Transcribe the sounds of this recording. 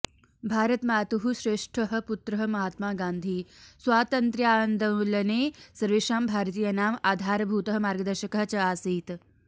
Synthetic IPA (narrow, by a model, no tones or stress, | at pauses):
bʱaːɾɐt̪maːt̪uɦuɕɾeːʂʈʰəɦɐ̆put̪ɾɐɦɐ̆mɐɦaːt̪maːɡãːnd̪ʱiːsʋaːt̪ɐnt̪ɾjaːnd̪ʱɐwlɐneːsɐɾʋeʂaːmbʱaːɾt̪iːjɐnaːmaːd̪ʱaːɾbʱuːt̪ɐɦɐ̆maːɾɡəd̪ɐɾɕɐkɐɦɐt͡ɕɐaːsiːt̪